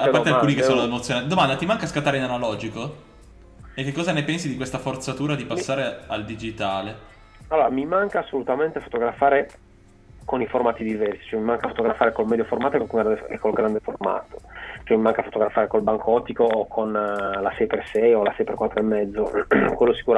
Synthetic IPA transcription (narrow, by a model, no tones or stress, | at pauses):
appat̪eakuːnikessoːnoemot̪sjonaːt̪id̪omand̪at̪imaŋkaskat̪ːaːɾeinanalɔːd͡ʒiko | ek̟ːekːɔzanepɛnsid̪ikwest̪afort̪sat̪uːɾad̪ipasːaːɾeald̪id͡ʒit̪aːle | alːoːɾamimaŋkaːsːolut̪ament̪efo̥t̪oɡɾafaːɾe | koniformaːt̪id̪ivɛrsi̥t͡ʃoɛmimaŋkafot̪oɡɾafaːɾekolmɛːd̪joformaːt̪oekokɡɾad̪ḛkːolɡɾand̪eforma̰ːt̪o̥t͡ʃoɛmimaŋkafot̪oɡɾafaːɾekolbaŋkʰoɔt̪ːikoːkʰonlasɛjpersɛjolasɛjperkwat̪ːɾoemːɛd̪zːokwelːosi̥kuɾa